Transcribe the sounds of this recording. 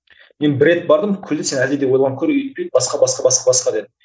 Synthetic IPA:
me̞nbɪɾe̞t̪̚bɑɾd̪əmkʲʰʏld̪ese̞næld̪ed̪ewolˠʁɑŋkʲʰɵɾeʏjt̪̚pejd̪̚bɑsqɑbɑsqɑbɑsqɑbɑsqɑd̪e̞d̪ɪ

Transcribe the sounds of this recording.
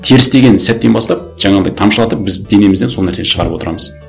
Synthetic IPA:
t̪ʰeɾɪst̪e̞ɡʲe̞nsæt̪̚ːe̞nbɑslˠɑp̚ʒ̥ɑɴɑd̪ɑjt̪ʰɑmʃəlˠɑt̪əp̚bɪzd̪e̞ne̞mɪzd̪enso̞lnæɾse̞neʃəʁɑɾəpwo̞t̪əɾɑ̰məz

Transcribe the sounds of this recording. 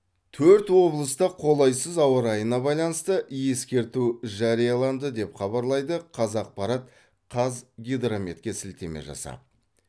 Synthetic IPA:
t̪ʰɵɾt̪wo̞blˠəst̪ɑqʰo̞lˠɑjsəzɑwəɾɑjənɑbɑjlˠɑnəst̪əʔje̞skʲe̞ɾt̪uʒɑɾijɑlˠɑnd̪əd̪e̞pχɑbɑɾlˠɑjd̪əqʰɑzɑq̚pɑɾɑt̪̚ | qʰɑzɡʲid̪ɾomet̪̚kʲe̞sɪlt̪e̞mḛʒɑ̰sɑ̰

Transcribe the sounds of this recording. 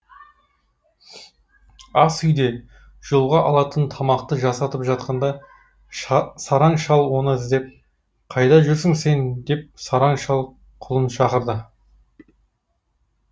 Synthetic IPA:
ɑsʏjd̪e̞ | ʒ̥olˠʁɑʔɑlˠɑt̪ənt̪ʰɑmɑqt̪əʒɑsɑt̪əpʒɑt̪̚qɑnd̪ɑ | sɑɾɑɴʃɑlˠwo̞nəɪzd̪e̞p̚ | qʰɑjd̪ɑʒʏɾsɪŋse̞nd̪e̞p̚sɑɾɑɴʃɑlˠ | qʰʊlˠənʃɑqəɾd̪ə

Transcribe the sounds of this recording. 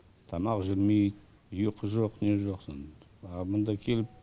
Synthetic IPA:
t̪ʰɑmɑqʒɪɾmejt̪ | ʊjəqʰəʒoqne̞ʒo̞qsən | ɑmənd̪ɑkʲʰe̞lɪp̚

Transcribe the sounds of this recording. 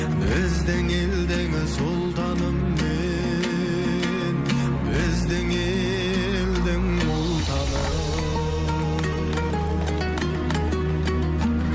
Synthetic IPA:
bɪzd̪ɪŋeld̪eŋɪsolˠt̪ʰɑnəmːe | n | bɪzd̪ɪŋe | ld̪ɪŋ | wolˠt̪ʰɑnə

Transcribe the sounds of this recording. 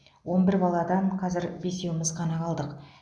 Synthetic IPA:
wo̞nbɪɾbɑlˠɑd̪ɑnqʰɑzɪɾbe̞se̞wɪmɪzqʰɑnɑqʰɑlˠd̪əq

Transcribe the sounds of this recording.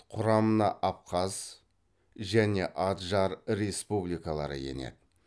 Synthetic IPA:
qʰʊɾɑmənɑʔɑp̚qʰɑz̥ | ʒæne̞ʔɑt̪ʒɑɾɾe̞spublijkalˠɑɾə̰je̞̰ne̞̰d̪ɪ

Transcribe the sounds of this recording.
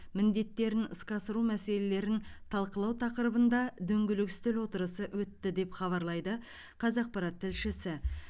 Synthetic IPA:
mɪnd̪e̞t̪ːe̞ɾɪnəskɑsəɾumæse̞le̞le̞ɾɪnt̪ʰɑlˠqəlˠɑwt̪ʰɑqəɾəbənd̪ɑd̪ɵŋɡʲɪlɪkst̪ɪlwo̞t̪əɾəsəwɵt̪ːɪd̪e̞pχɑβɑɾlˠɑjd̪ə | qʰɑzɑq̚pɑɾɑt̪ʰːɪlʃɪsɪ

